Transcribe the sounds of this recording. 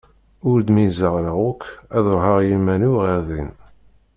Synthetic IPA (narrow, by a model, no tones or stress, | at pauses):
ʊɾd̪mizəʁɾəʁʊkʰːæðoɦaʁjimːænuwʁeʁðin